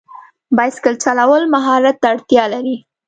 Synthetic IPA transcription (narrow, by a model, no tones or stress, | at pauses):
bɑjskəlt͡ʃalawəlmaɦɑɾat̪ːaːɽt̪jɑlaɾi